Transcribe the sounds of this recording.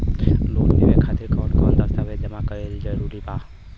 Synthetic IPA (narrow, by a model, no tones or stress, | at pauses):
loːnmḛʋekʰaːt̪ɪɾkɔːnkɔːnd̪əst̪aʋed͡ʒəmãkəɾed͡ʒid͡ʒəɾuɾibaː